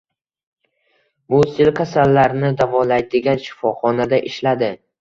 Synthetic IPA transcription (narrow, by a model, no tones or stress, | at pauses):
bʊsɪlkʲʰasalːaɾnɪd̪avɒlajd̪ɪɡʲanʃɪ̥fɒχɒnad̪aʔɪʃlad̪ɪ